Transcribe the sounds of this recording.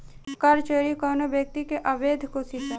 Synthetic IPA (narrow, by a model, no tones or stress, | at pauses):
kɐɾt͡ʃeɾikɔːnobjɐk̚t̪ikeʔɐbeːd̪ʱkosit̪a